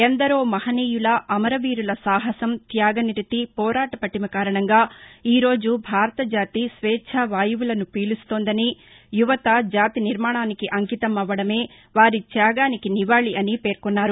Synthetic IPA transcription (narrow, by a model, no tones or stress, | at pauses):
end̪ɐɾoːmɐhɐniːjulɐʔɐmɐɾɐʋiːɾulɐsaːɦɐsɐmt̪jaːɡɐniɾt̪ipɔːɾaːʈɐpɐʈːinɐkaːɾɐɳɐŋɡaːiːɾo̞ːd͡ʒubʱaːɾɐt̪ɐd͡ʒaːt̪isʋɛːt͡ʃʰɐʋaːjuʋulɐnupiːlust̪oːnd̪ɐni | juʋɐt̪ɐd͡ʒaːt̪iniɾmaːɳaːnikiʔɐŋkit̪ɐmɐʋːɐɽɐme̞ː | ʋaːɾit̪jaːɡaːnikiniʋaːɭiʔɐnipe̞ːɾkunːaːɾu